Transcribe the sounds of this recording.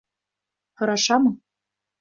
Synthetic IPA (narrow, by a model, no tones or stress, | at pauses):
xɤ̆ɾɑʃɑmɤ̆